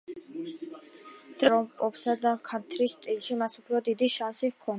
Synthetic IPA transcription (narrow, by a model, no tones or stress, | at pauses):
d̪ʼɾɔpʼɔpsad̪akʰaɾt̪ʰɾist̪ʼilʃimasupʰɾɔd̪id̪iʃansikʰɔn